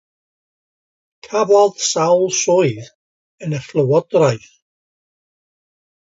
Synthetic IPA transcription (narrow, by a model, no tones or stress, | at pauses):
kʰavaðsawlˠsɔjð | ənəflˠəwɔd̥ɾajθ